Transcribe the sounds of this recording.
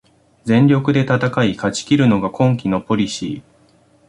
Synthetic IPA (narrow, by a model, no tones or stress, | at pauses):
zẽ̞ɲɾʲo̞kɯ̟d̪e̞t̪at̪akaikat͡ɕi̥kʲiɾɯ̟no̞ɡakʰõ̞ŋkʲino̞po̞ɾʲiɕḭː